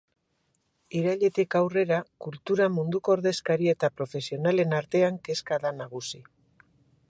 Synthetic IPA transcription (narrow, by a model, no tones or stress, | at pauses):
iɾaʎe̞t̪ikawre̞ɾakult̪uɾamund̪uko̞oɾðe̞skaɾie̞t̪apɾo̞fe̞sio̞nale̞naɾt̪e̞aŋke̞skaðanaɣ̞usi